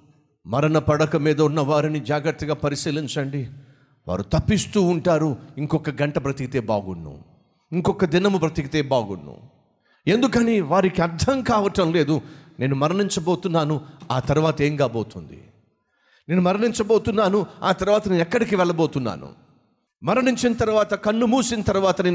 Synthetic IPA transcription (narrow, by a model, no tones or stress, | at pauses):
mɐɾɐnɐpɐɽɐkɐmiːd̪ɐunːɐʋaːɾinid͡ʒaːɡɾɐɾt̪ːɐɡaːpɐɾisiːliɲt͡ʃɐɳɖi | ʋa̰ːɾut̪ɐpːist̪uːɳʈaːɾuiŋkɔkːɐɡɐɳʈɐpɾɐt̪ikit̪eːba̰ːɡunːṵ | iŋkɔkːɐd̪inɐmupɾɐt̪ikit̪eːbaːɡunːṵ | e̞nd̪ukɐniːʋaːɾikiɐɾd̪ʱɐmkaːʋɐʈɐmle̞ːd̪unʔe̞ːnumɐɾɐɳiɲt͡ʃɐbo̞ːt̪unːaːnuaːt̪ɐɾuʋaːt̪ɐe̞ːŋkaːbo̞ːt̪und̪ḭ | ne̞ːnumɐɾɐɳiɲt͡ʃɐbo̞ːt̪unːaːnua̰ːt̪ɐɾuʋaːt̪ɐnenɛkːɐɽikiʋɛɭːɐboːt̪unːa̰ːnṵ | mɐɾɐniɲt͡ʃinɐt̪ɐɾuʋaːt̪ɐkɐɳːumuːsinɐt̪ɐɾuʋaːt̪ɐneː